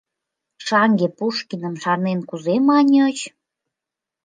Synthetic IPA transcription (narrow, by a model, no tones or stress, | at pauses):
ʃɑŋɡepuʃkinə̆mʃɑrnenkuzemɑnʲə̆t͡ɕ